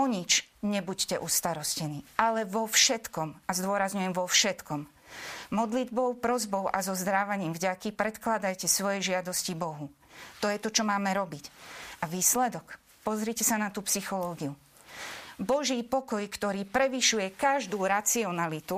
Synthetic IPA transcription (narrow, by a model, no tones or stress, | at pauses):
ɔɲit͡ʃɲɛbuccɛʔust̪aɾɔscɛniːʔalɛʋɔfʃɛt̪kɔmazd̪ʊɔɾazɲujɛmʋɔfʃɛt̪kɔm | mɔd̪lid̪bɔʊpɾɔzbɔʊʔazɔzd̪ɾaːʋaɲiːmvɟakipɾɛt̪klad̪ajcɛsʋɔjɛʒɪad̪ɔscibɔɦu | t̪ɔjɛt̪ɔt͡ʃɔmaːmɛɾɔbicaʋiːslɛd̪ɔk | pɔzɾicɛsanat̪uːpsixɔlɔːɡiu | bɔʒiːpɔkɔjkt̪ɔɾiːpɾɛʋiʃujɛkaʒd̪uːɾat͡siɔnalit̪u